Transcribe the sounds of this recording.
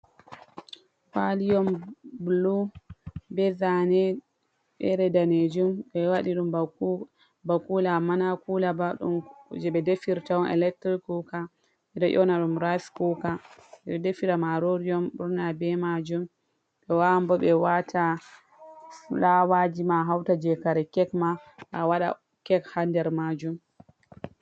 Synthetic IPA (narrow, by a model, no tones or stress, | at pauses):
falijɔmblu | bɛzanɛ | ɓɛɾɛdaned͡ʒumɓɛwaɗiɗum | bakulamanakulabaɗṵmd͡ʒɛɓɛdefiɾtawɔnɛ̰lɛk̚tɾikuka | ɓɛɗɔʔɔnaɗumɾajskukaɛɓɛdefiɾamaɾoɾijɔmɓuɾnabɛmad͡ʒum | ɓɛwambɔɓɛwatʰa | lawad͡ʒimaɦawtad͡ʒɛkaɾɛkɛkmaɓawaɗa̰ | kɛkhandɛɾmad͡ʒum